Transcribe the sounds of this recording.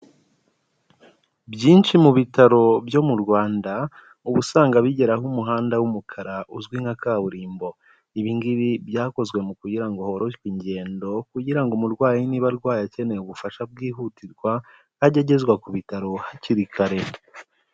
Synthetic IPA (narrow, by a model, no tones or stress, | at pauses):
bjiːnʃimuβitaɾo̞bjo̞muɾɡwaːnda | uβusaːŋɡaβiɟe̞ɾaɦumuɦaːndawumukʰaɾaʔuzɡwiŋakaːβuɾiːmbo̞ | iβiŋɡiβibjaːko̞zɡwe̞mukuɟiɾaŋɡo̞ho̞ɾo̞ʃwiɲɟe̞ːndo̞kuɟiɾaŋɡomuɾɡwaːjiniβaɾɡwaːjace̞ne̞uβufaʃab̚ɡiːɦutiɾɡwa | aɟeɟe̞zɡwakuβitaɾo̞haciɾikʰaɾe̞